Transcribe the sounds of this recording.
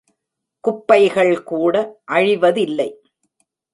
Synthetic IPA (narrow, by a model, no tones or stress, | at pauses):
kʊpːɐɪɣɐɭkuːɽɐʔɐɻɪʋɐðɪlːɐɪ